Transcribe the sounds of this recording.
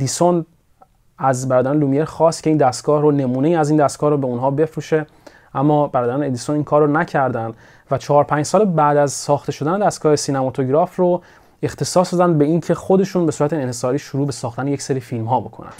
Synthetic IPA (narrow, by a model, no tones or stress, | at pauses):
d̪ison | æzbæɾɒːd̪æɾneluːmijeɾxɒːst̪cʰe̞ind̪æst̪ɡ̥ɒːhɾone̞muːne̞jiːæziːnd̪æst̪ɡɒːhɾobe̞unɦɒːbe̞fɾuːʃe̞ | ʔæmːɒːbæɾɒːd̪æɾæned̪isoniːŋkʰɒːɾrːonæcʰæɾd̪ænd̪ | væt͡ʃʰɒːɾpʰæɲd͡ʒsɒːlebæd̪æzsɒːxt̪e̞ʃo̞d̪æne̞d̪æst̪̚ɡɒːhe̞sinæmɒt̪ʰoɟɾɒːfro | e̞xt̪ʰe̞sɒːsd̪ɒd̪ænd̪̚be̞incʰe̞xo̞d̪e̞ʃuːnbe̞suɾæt̪eːnhe̞sɒːɾiːʃoɾuːbe̞sɒːxt̪ænejecseɾifilmɦɒːbo̞kʰo̰næ̰nd̪̥